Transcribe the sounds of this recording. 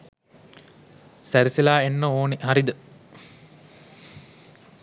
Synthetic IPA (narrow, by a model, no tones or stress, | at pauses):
sæɾisilaːenːəoːnihaɾid̪ə